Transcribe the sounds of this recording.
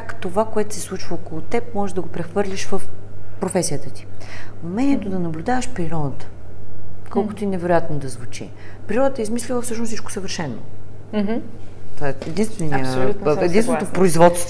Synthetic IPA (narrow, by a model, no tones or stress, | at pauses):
kt̪ovakoɛt̪ʊ̥sɛ̥slˠut͡ʃvəokolˠot̪ɛp̚mɔʒɛʒd̪ɐɡopɾɛxvɤɾlʲiʃvəfpɾofɛsijət̪ət̪i̥umɛnʲiɛt̪od̪ɐnɐblʲʊd̪avəʃpɾiɾɔd̪ət̪ə̥ | kʰɔlkot̪oinɛvɛɾojat̪nod̪ɐzvut͡ʃḭpɾiɾɔd̪ət̪əizmislʲilˠəfsɤʃnssit͡ʃko̥səvəɾʃɛnːo̰ | t̪aɛɛd̪inst̪vɛniəluɛd̪insvɛnot̪opɾoizvɔt̪st̪